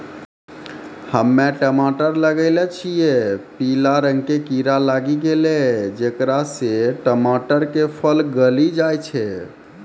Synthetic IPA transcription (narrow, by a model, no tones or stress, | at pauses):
həmːeʈəmaʈəɾləɡəɪlɛt͡ʃʰijɛpilaɾəŋɡkekiɾalaɡiɡeled͡ʒekɾaseʈəmaʈəɾkepʰəlɡəlid͡ʒajt͡ʃʰɛ